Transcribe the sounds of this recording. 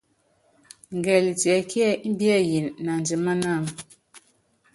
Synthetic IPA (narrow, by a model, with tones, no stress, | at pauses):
ŋ˨ɡɛ˨li˨ti˨ɛ˨ki˦ɛ˦i˦m˦bi˦ɛ˦ji˨nːa˨n˨d͡ʒi˨ma˦na˦˨ŋ